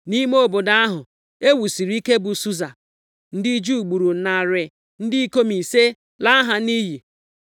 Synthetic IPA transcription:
ni˦m˦o˦bo˨da˦a˦ɦʊ˨ | e˦wu˨si˨ɾi˦ke˦bʊ˨su˦za˨ | n̩˦di˦d͡ʒu˦˨ɡ͡bu˨ɾu˨na˨ɾɪ˨ | n̩˦dɪ˦i˦ko˦mi˨se˦ | la˦ɦa˨ni˦ɦi˨

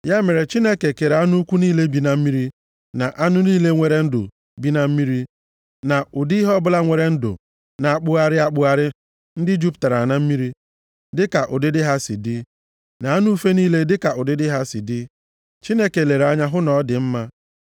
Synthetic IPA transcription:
ja˦me˨ɾe˨t͡ʃi˦ne˦ke˨ke˨ɾa˦nu˦kʷu˦niː˦le˦bi˨na˨m̩˦mi˦ɾi˦ | na˨ʔa˦nʊ˦niː˦le˦ŋʷe˨ɾe˦n̩˦dʊ̰˨ | bi˦na˦m̩˦mi˦ɾi˦ | na˨ʔʊ˨di˦ɦɔ˦bʊ˦la˦ŋʷe˨ɾe˦n̩˦dʊ̰˨ | na˨a˨k͡pʊ˦a˦ɾɪ˦a˦k͡pʊ˦a˦ɾɪ˦ | n̩˦dɪ˦d͡ʒu˦pta˨ɾa˨na˦m̩˦mi˦ɾi˦ | dɪ˦ka˨ʔʊ̰˨dɪ˦dɪ˦ɦa˦sḭ˨dɪ˦ | na˨a˦nu˦fe˦niː˦le˦dɪ˦ka˨ʔʊ˨dɪ˦dɪ˦ɦa˦si˨dɪ˦ | t͡ʃi˦ne˦ke˨le˨ɾa˦ɲa˦ɦʊ˦nɔ˨˦dɪ˨m̩˦ma˦

